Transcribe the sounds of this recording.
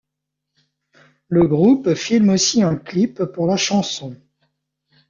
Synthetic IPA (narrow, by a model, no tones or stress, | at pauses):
ləɡʁupfilmosiɛ̃klipːuʁlaʃɑ̃sɔ̃